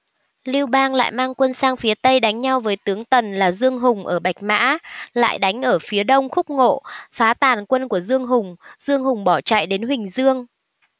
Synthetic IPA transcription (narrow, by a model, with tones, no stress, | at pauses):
li˧əwɓaː˧ŋla̰ː˧˨jmaː˧ŋkwə˧nsaː˧ŋfi˨˦ət̪ə˧jɗa˨˦jŋ̟ɲa˧wvəː˨˦jt̪ɨ˨˦əŋt̪ə˨˩nlaː˨˩zɨ˧əŋɦʊ˨˩ŋ͡mʔəː˧˩ɓa˨˩jk̟̚ma̰ː˧˥la̰ː˧˨jɗa˨˦jŋ̟ʔəː˧˩fi˨˦əɗə˧wŋ͡mxʊ˦˥k͡p̚ŋo̰˧˨faː˨˦t̪aː˨˩nkwə˧nku˧˩əzɨ˧əŋɦʊ˨˩ŋ͡mzɨ˧əŋɦʊ˨˩ŋ͡mɓɔ˧˩t͡ɕa̰ː˧˨jɗe˨˦nwï˨˩ŋ̟zɨ˧əŋ